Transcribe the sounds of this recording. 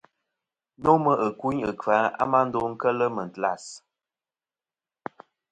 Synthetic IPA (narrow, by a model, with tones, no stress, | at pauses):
no˦mə˦ʔə˨ku˦ɲə˨kwa˨˦a̰˦ma˦n̩˦do˦ŋ̩˦kə˦lə˦mə˨n̩˨tla̰˦˨s